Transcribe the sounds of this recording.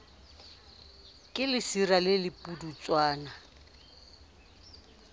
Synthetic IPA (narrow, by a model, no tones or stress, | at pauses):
kʼɪlɪsiralɪlɪpʼudut͡sʼwaːna